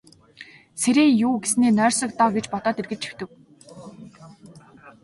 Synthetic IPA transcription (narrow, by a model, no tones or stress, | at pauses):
seɾeːjuːɡesneːnœːrʲsɞ̆k̚t̪ɔːɡet͡ɕpɔt̪ɔːt̪erɣɘ̆t͡ɕt͡ɕʰi̥wt̪ɘ̆w